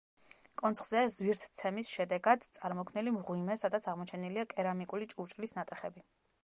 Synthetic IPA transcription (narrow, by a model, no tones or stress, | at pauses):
kʼɔnt̪sχz̥ɛzwiɾt̪ʰt̪sʰɛmisʃɛd̪ɛɡad̪t̪sʼaɾmɔkʰmnilimʁwimɛsad̪at̪sʰaʁmɔt͡ʃʰɛniliakʼɛɾamikʼulit͡ʃʼut͡ʃʼlisnat̪ʼɛχɛbi